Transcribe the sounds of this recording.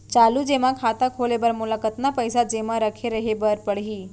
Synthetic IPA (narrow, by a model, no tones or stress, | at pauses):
t͡ʃaːlud͡ʒemãkʰaːt̪akʰoːlebəɾmʊlakət̪napəjsad͡ʒemãɾəkʰeɾəɦebəɾpəɽɦiː